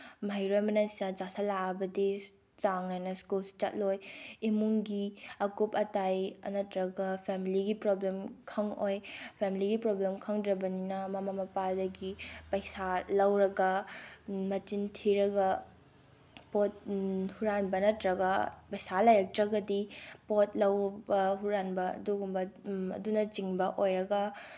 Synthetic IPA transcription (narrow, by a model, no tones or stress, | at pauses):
mɐɦjɾojmɐnɐnsinɐd͡ʒasalaɐbɐdi | t͡ʃaŋnajnɐskulsi̥t͡ʃɐt̚lojimuŋɡiɐkupɐtajɐ̰nɐtɾɐɡɐpʰemiliɡipɾoblemkʰɐŋojpʰemiliɡipɾoblemkʰɐŋdɾɐbɐninɐmɐmamɐpadɐɡipɐjsalɐwɾɐɡɐ | mɐt͡ʃintʰiɾɐɡɐ | pot̚huɾanbɐnɐtɾɐɡɐpɐjsalajɾɐk̚tɾɐɡɐdipot̚lɐwbɐɦuɾanbɐɐ̰duɡumbɐɐ̰dunɐt͡ʃiŋbɐʔojɾɐɡɐ